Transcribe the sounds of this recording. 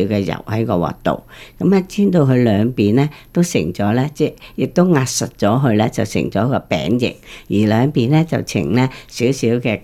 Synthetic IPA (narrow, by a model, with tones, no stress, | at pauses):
wkɛː˧jɐ̰˨˩whɐ˨˥jkɔː˧wɔ̰ː˨k̚t̪o̰˨wkɐ˨˥mɛ˧t͡sʰiː˥nt̪o˧wɦɵ˧lœː˨˧ŋpiː˨nlɛː˥t̪o˥wsɪ̰˨˩ŋt͡sɔː˨˥lɛː˥t͡sɛː˥jɪ˨k̚t̪o˥wŋaː˧t̚sɐ˨t̚t͡ʃɔː˨˥ɦɵ˧ɥlɛː˥t͡sɐ˨wsɪ̰˨˩ŋt͡sɔː˨˥kɔː˧pɛ̰ː˨˥ŋjɪ̰˨k̚jiː˨˩lœː˨˧ŋpiː˨˩nlɛː˥t͡sɐ̰˨wt͡sʰɪ̰˨˩ŋlɛː˥siː˨˥wsiː˨˥wkɛː˧